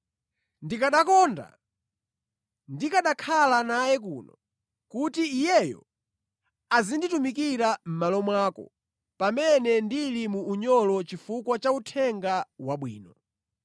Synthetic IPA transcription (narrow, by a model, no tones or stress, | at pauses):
ndikaɗakɔːnda̰ | ndikaɗakʰalanajɛk̬ṵːnɔ | kutiːjɛjɔ̰ | azinditumik̬iɾam̩malɔmwaːkɔ̰ | pamɛnɛndilimuːɲɔlɔt͡ʃifukwat͡ʃautʰɛŋɡawaɓwḭːnɔ